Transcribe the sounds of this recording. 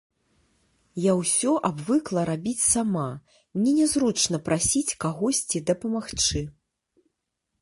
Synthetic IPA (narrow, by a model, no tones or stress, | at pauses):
jawsʲɔʔabvɨklˠɐɾabʲit͡sʲsama | nʲɛnʲɛzɾut͡ʂnɐpɾʔasʲit͡sʲkaɣɔsʲt͡sʲid̪ɐpɐmaxt͡ʂɨ